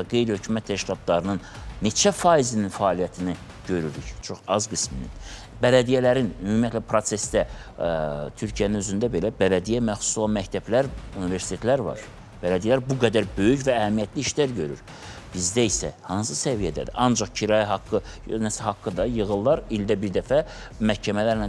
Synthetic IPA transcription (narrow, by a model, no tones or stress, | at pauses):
æɡe̞jɾihø̞cʰymæt̪ʰːæʃcilˠɑt̪lˠɑɾɯnɯnːe̞t͡ʃʰæfɑːizininfæːlijæt̪ʰini | ɟø̞ɾyɾyct͡ʃʰo̞χɑzɡisminḭn | bælæd̪ijælæɾinymumjæt̪læpʰɾo̞se̞sd̪æ | t̪ʰyɾcʰijæninøzynd̪æbe̞læbælæd̪ijæmæxsu̥solˠɑnmæct̪ʰæblæɾunive̞ɾsi̥t̪ʰe̞t̪læɾvɑ̰ɾ | b̥ælæd̪ijælæɾbuɡæd̪æɾbø̞jycvæːhæmijæt̪liiʃlæɾɟø̞ɾy̰ɾ | b̥izd̪æisæ̰hɑnsɯsævijæd̪æ̰d̪ḭʔɑnd͡ʒɑχcʰiɾɑjɑɦɑkːɯnæshɑkːɯd̪ɑjɯɣɯlˠːɑɾild̪æbiɾd̪æfæmæhcʰæmælæɾnæ